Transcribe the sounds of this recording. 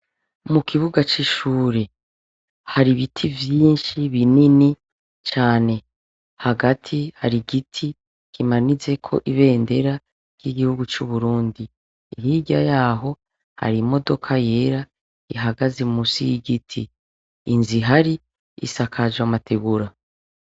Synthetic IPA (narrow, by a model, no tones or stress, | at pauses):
mukʰiβuɡat͡ʃiʃuːɾe̞ | haɾiβitʰivjiːnʃiβinini | t͡ʃaːne̞ | haɡatʰihaɾiɡitʰi | kimanit͡se̞kʰo̞̰ʔiβe̞ːnde̞ɾa | ɾjiɡihuɡut͡ʃuβuɾuːndiː | ɦiɟajaːɦo̞ | ha̰ɾimo̞do̞kʰaje̞ɾa | iɦaɡazemusḭjiɡitʰiː | nziɦaɾi | ḭsakʰazwamatʰeɡuɾa